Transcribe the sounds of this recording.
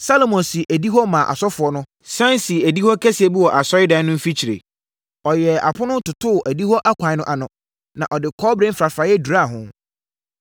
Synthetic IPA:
sa˦lo˨mɔ̃˨nsi˨ʔæ˨di˦ɦɔ˦mã˨ʔa̰˨sɔ˦fʊ˨ɔ˦nʊ̃˦ | sã˦n˦si˨æ˨di˦hɔ˦kʰɛ˦si˨ɛ˨bi˦wɔ˨ʔa˨sɔ˦ɪ˦dã˦nʊ̃˦m̩˦fi˦t͡ɕʰi˨ɾḛ˨ | ɔ˨jɛ˨a̰˨pʰʊ˦nʊ̃˦tʊ˨tʰʊ˦˨ʔæ˨di˦hɔ˦ʔa˦kʷʰã˨˦nʊ̃˦ʔa˨nʊ̃˨ | nã˨ʔɔ˨dɪ˨kʰɔː˦bɾẽ˦m̩˦fɾa˨fɾa˨jɛ˦du˨ɾa˦˨ɦʊ̃˨

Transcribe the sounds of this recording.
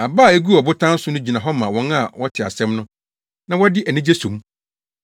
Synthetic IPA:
a˨baː˦˨e˦ɡu˦ɔ˨bʊ˦tʰã˦n̩˦sʊ˦nʊ̃˦d͡ʑi˨nã˨ɦɔ˦mã˨wɔ̃˨˦n˦a˨wɔ˦tʰɪ˨a̰˨sɛ̃˦mnʊ̃˦ | nã˦wɔ˦dɪ˦ʔɛ˨nɪ̃˦d͡ʑe˦sũ˨m˦

